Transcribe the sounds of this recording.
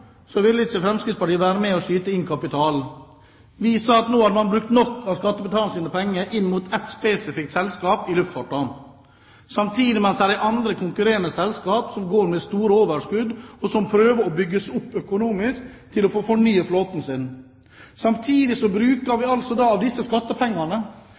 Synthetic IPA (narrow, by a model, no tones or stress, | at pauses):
sɔʋɪlːəɪt͡ʃːəfɾɛmskɾɪd̪spɑʈiːəʋæːɾəmɛːɔʂyːt̪əɪŋkʰɑpɪt̪ʰɑːl | ʋiːsɑɑt̪noːhɑd̪əmɑnbɾʉkt̪nɔkːɑʋskɑt̪ːəbət̪ɑːlsiːnəpʰɛŋːəʔɪnːmuːt̪ʰɛt̪speːsɪfɪk̚t̪sɛlskɑːpɪlʉft̪fɑːʈːɑ | sɑmt̪ʰiːd̪ɪmɛnsd̪æɾæɑnd̪ɾəkʰʊŋkʉɾeːɾənəsɛlskɑːpsɔmɡoːɾmɛst̪uːɾəoːʋəʂkʉd̪ɔsɔmpʰɾøːʋəɾɔbʏɡːəsʊpːœkʊnuːmɪskt̪ʰːɪlɔfoːfɔɳyːəfloːt̪nsɪn | sɑmt̪ʰiːd̪ɪsɔbɾʉːkəɾʋɪɑlsɔd̪ɑːɑʋd̪ɪsːəskɑt̪ːəpʰɛŋːɑnə